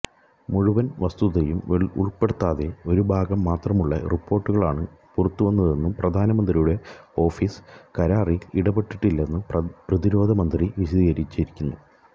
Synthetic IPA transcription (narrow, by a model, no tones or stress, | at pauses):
muɻuʋɐnʋɐst̪uðɐjumeṵɭpeɽut̪ːaːðe̞o̞ɾubʱaːɡɐmːaːt̪rɐmuɭːɐripːo̞ːrʈːuɣɐɭa̰ːɳɨpurɐt̪ːuʋɐnːɐðe̞nːumprɐd̪ʱaːnɐmɐnd̪rijuɽe̞o̞ːfiːskɐɾaːriliɽɐbe̞ʈːiʈːilːɐenːuprɐðiɾo̞ːd̪ʱɐmɐnd̪riʋiɕɐðiːɣɐɾit͡ɕːiɾikʲːunːu